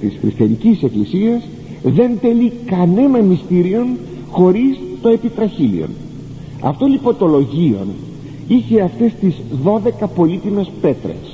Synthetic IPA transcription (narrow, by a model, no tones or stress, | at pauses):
t̪isxɾist̪iɐnicise̞klisiɐz | ðe̞nt̪e̞likɐne̞nɐmist̪iɾio̞n | xo̞ɾist̪o̞e̞pit̪ɾɐçilḭo̞̰n | ɐ̰ft̪o̞lipo̞nt̪o̞lo̞ʝio̞̰n | içe̞ɐft̪e̞st̪izðo̞ðe̞kɐpo̞lit̪ime̞spe̞t̪ɾḛs